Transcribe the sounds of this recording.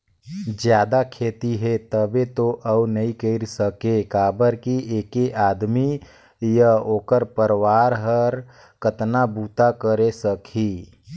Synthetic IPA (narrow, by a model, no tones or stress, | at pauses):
d͡ʒjaːd̪akʰeːt̪iɦet̪əbet̪oʔəunəɦĩkəɾsəkekaːbəɾkiʔeːkeʔaːd̪mi | jaoːkəɾpəɾwaːɾɦəɾ | kət̪nabuːt̪akəɾesəkʰi